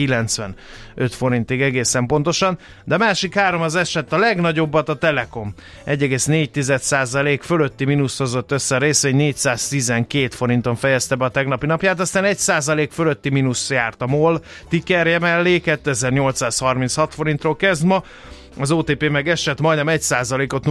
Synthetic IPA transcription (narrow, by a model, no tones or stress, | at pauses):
ilɛnt̪sʋɛn | øt̪fo̞ɾint̪iɡɛɡeːsɛmpo̞nt̪o̞ʃɒn | d̪ɛɒmaːʃikhaːɾo̞mɒzɛʃɛt̪ːɒlɛɡnɒɟo̞bːɒt̪ɒt̪ɛlɛko̞m | ɛɟːɛɡeːsneːc̚t̪izɛt̪saːzɒleːkfølø̞t̪ːiminusho̞zo̞t̪ːøsːɛɒɾeːsʋeːɲneːcsaːst̪izɛŋkeːt̪fo̞ɾint̪o̞ɱfɛjɛst̪ɛbɛɒt̪ɛɡnɒpinɒpjaːt̪ɒst̪aːnɛcsaːzɒleːkfølø̞t̪ːiminusjaːrt̪ɒmoːl | t̪ikɛrjɛmɛlːiːkɛt̪ːøɛzɛrɲo̞lt̪saːshɒrminshɒt̪fo̞ɾint̪roːlkɛzd̪mɒ | ɒzoːt̪eːpeːmɛɡɛʃɛt̪mɒjd̪nɛmɛcsaːzɒleːkot̪